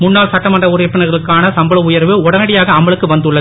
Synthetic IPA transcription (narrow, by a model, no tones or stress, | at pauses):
mʊnːaːlsɐʈːɐmɐndrɐʊɾɪɾpːɐnɐɾɣɐɭɯkːaːnɐsɐmbɐɭɐʊjɐɾʋɯʊɽɐnɐɽɪjaːɣɐːmbɐɭɯkːɯʋɐnd̪ɯɭːɐ